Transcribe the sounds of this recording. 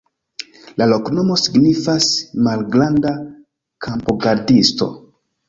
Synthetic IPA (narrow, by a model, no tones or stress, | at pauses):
lalo̞kno̞mo̞siɡnifasmalɡɾanda | kʰampoɡaɾdisto̞̰